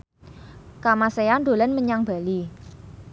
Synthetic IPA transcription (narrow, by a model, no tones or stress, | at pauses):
kamaseand̪o̤lanməɲaŋb̥a̤li